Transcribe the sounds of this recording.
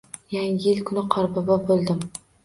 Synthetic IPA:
jaŋɪjɪlkʰʊnɪqʰɒɾbɒbɑbolˠd̪ɪm

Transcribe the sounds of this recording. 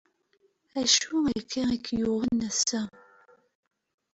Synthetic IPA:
æʃuækʰːiikʰːjuʁənæsæ

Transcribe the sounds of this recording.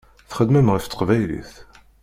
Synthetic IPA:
θχəd̪məmʁəft̪ːə̥qvæjlḭθ

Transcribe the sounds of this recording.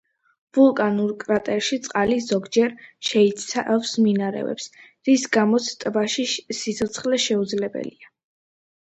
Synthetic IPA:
vulˠkʼanuɾkʼɾat̪ʼɛɾʃit̪sʼqʼaliz̥ɔɡd͡ʒɛɾʃɛit̪saɛfsminaɾɛ̰vɛ̰ps | ɾisɡamɔt̪sʰt̪ʼbaʃisit̪sʰɔt̪sʰχlɛʃɛud̪zlɛbɛ̰lia

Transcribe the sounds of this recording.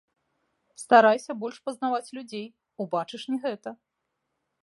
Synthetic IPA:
st̪aɾajsʲɐbɔlʲʂpɐznavat͡sʲlʲud͡zʲej | ubat͡ʂɨʂnʲɛɣɛt̪ɐ

